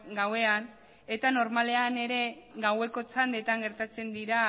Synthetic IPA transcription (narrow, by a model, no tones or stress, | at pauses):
ɡawe̞an | e̞t̪ano̞ɾmale̞ane̞ɾe̞ɡawe̞ko̞t͡sand̪e̞t̪aŋɡe̞ɾt̪at͡se̞nd̪iɾa